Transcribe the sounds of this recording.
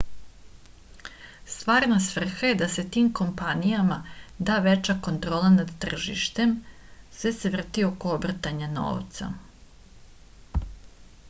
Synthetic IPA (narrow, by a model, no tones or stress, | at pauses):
st̪ʋaːɾnasʋr̩xaje̞d̪ase̞t̪iːmko̞mpanijamad̪aːʋe̞t͡ɕako̞nt̪ɾo̞ːlˠanad̪t̪r̩ʒḭʃt̪e̞m | sʋe̞se̞ʋr̩t̪io̞ko̞obr̩t̪aɲano̰ːʋt̪sa̰